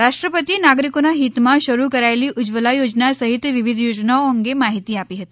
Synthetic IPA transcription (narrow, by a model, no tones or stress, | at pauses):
ɾaʂʈɾəpət̪iːnaɡɾikunaɦit̪maɕəɾuːkəɾajliːʔud͡ʑʋəlajod͡znasəɦit̪ʋiʋid̪ʱjod͡ʑnaoŋɡemaɦit̪iːapiːɦət̪i